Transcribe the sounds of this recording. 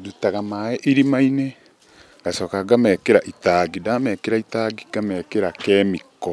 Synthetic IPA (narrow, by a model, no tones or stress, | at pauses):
dutaɣamaeʔiɾimaine | ŋɡ̥asɔːkaɡamɛkeɾaʔitaɡidamɛkeɾaitaɡiɡ̥amɛkeɾakɛːmikɔ